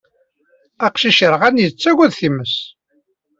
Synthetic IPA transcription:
æqʃiʃəɾʁænjət͡sːæɡæðθiməs

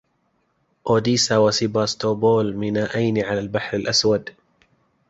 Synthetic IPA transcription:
ʔoːd̪iːsawasibaːst̪oːboːlmɪnaːʔajnʕalaːlbaħɾɪlʔaswad̪

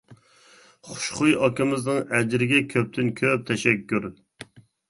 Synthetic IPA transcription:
χʊ̥ʃχʊjɑkɪmɪznɨŋɛd͡ʒɾɪɡʲɛkʲʰøp̚t̪ʰɪnkʲʰøp̚t̪ʰɛʃɛkʲːyɾ

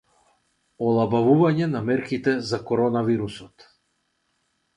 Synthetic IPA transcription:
ɔlˠabavuvaɲɛnamɛɾkit̪ɛzakɔɾɔnaviɾusɔt̪

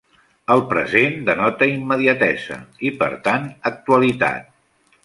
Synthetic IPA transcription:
əlˠpɾə̰zend̪ənɔt̪əimːəðiət̪ɛzə̰ipə̰ɾt̪anək̚t̪uəlit̪a̰t̪̚

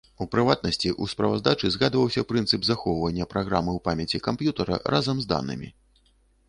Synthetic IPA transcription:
upɾɨvat̪̚nɐsʲt͡sʲiʔuspɾɐva̰zd̪at͡ʂɨzɣad̪vɐwsʲɐpɾɨnt̪sɨpzaxɔwvɐnʲːɐpɾaɣɾamɨwpamʲjɐt͡sʲikampjut̪ɐɾɐ̰ɾʔazɐmzd̪a̰nɨ̰mʲḭ

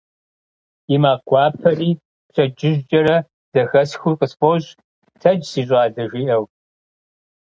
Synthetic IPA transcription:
imaːɡʷɑːpʰɐriː | ɕʰʼɐd͡ʒɪʒd͡ʒʼɐɾɐ | d̥ɐxɐsxuqʼəsfʼoɕ | tʰɐd͡ʒsiːɕʷʼaːdɐʒʷiːʔɐw

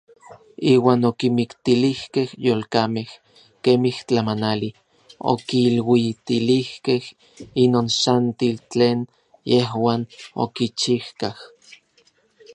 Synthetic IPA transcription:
iːwaːnokimikt̪ilihkehjoːlkameh | keːmiht͡ɬamanali | o̰kiːlwit̪ilihkeh | inoːnsant̪ilt͡ɬeːn | jeɦwaːno̰kit͡ʃihkah

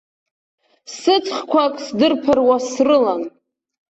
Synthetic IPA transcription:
sɨt͡sʰχkʷʰakʼsdɨrpʰɨrwasrɨlan

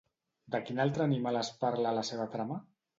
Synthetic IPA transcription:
d̪əkinalˠt̪ɾəːnimalaspaɾlaːlaseβat̪ɾama

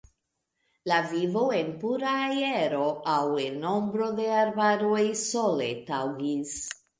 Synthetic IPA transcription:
lavivo̞enpuɾaːjeɾo̞ʔawenːo̞mbɾo̞d̪e̞aɾbaɾo̞jsole̞tawɡis

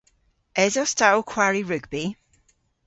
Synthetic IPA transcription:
ɛzɔstalˠkʰwaɹiɹʉɡbi

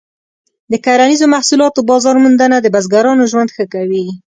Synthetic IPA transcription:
d̪əkaɾanizomahsulɑt̪obɑzɑɾmund̪anad̪əbazɡaɾɑnoʒwand̪xəkawi

